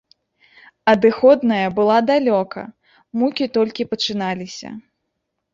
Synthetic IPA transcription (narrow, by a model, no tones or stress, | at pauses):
ɐd̪ɨxɔd̪nɐjɐbɨlˠad̪alʲɔkɐ̰ | mukʲit̪ɔlʲkʲipɐt͡ʂɨnalʲisʲɐ̰